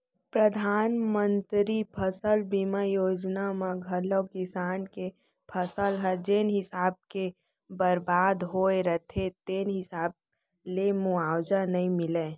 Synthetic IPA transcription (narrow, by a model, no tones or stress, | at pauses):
pɾəd̪ʱaːnmə̃nt̪ɾipʰəsəlbimajoːd͡ʒnamãɡʱəlokɪsaːnke | pʰəsəlɦɛd͡ʒenɦɪsaːb̚ke | bəɾbaːd̪ɦoːeɾət̪ʰet̪eːnɦɪsaːb̚ | lemuaːwd͡ʒanəĩmɪle